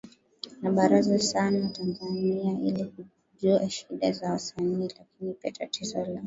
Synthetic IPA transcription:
naɓaɾazasanawatanzaniaʔiliku | ʄuaʃiɗazawasaniːlakinipiatatizɔlɔ

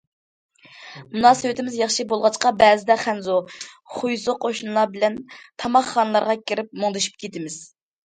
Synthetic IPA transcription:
munɑːsɨwɪt̪ʰɪmɪzjɑχʃibolˠʁɑt͡ʃqɑbɛːzɪd̪ɛχænzo | χujzʊqʰoʃnɨlˠɑɾbɪlɛnt̪ʰɑmɑχːɑːnɨlˠɑɾʁɑkʲiɾɪp̚moŋd̪ɨʃy̥p̚kʲʰet̪ɪmɪz̥

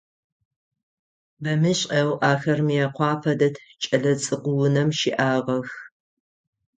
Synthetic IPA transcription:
bɐmɨɕʼʔɐwʔaːxɐrmijɛqʷɑːpʰɐdɐtʰt͡ʃʼɐɮɐt͡sʼɨqʷʊwʊnɐmʃiʔaːʁɐx

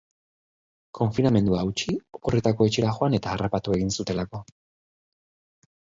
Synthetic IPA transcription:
kʰo̞ɱfiname̞nd̪uaːuwt͡ʃiokore̞t̪akoe̞t͡ʃe̞ɾaxo̞ane̞t̪aːrapat̪ue̞ɣinsut̪e̞lako̞

